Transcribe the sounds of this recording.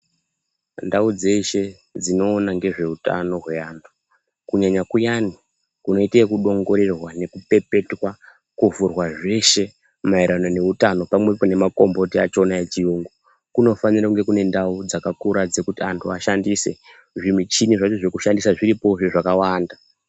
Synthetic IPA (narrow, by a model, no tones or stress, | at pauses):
ndaud͡ze̞ʃe̞ | d͡zino̞ːnaŋɡe̞ʐe̞uta̰no̞ɦwe̞aːntʰu̥ | kuɲaɲakujani | kuno̞itekuɗo̞ŋɡo̞ɾe̞rwane̞kupe̞pe̞twa | kuvurwaʐe̞ʃe̞ | maiɾano̞ne̞utano̞pamwepo̞ne̞makombo̞tiat͡ʃo̞naet͡ʃijuːŋɡu | kuno̞faniɾakuŋɡe̞kune̞ndaud͡zakakuɾad͡ze̞kutiantʰuaʃandise̞̰ | ʐimit͡ʃiniʐat͡ʃo̞ʐe̞kuʃandisaʐiɾipo̞ʐeʐakawaːnda